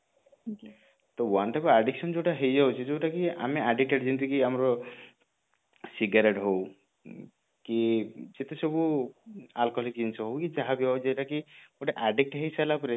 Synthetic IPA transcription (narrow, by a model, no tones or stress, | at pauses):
t̪ɔwanʈapɔaɖiksɔnd͡ʒewʈaɦejd͡ʒawt͡ʃʰed͡ʒeʈakia̰meaɖik̚ʈeʈd͡ʒint̪ikiamɾɔ | siɡaɾeʈɦow | kid͡ʒet̪esɔbu | alkɔlikd͡ʒinsɔɦowkid͡ʒaɦabiawd͡ʒeʈakioʈeʔaɖik̚ʈɦejsalapɾe